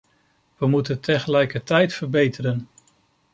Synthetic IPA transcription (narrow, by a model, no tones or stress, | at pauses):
ʋəmutəntʰɛχəlɛjkəɹtɛjtfəɹbejtəɾən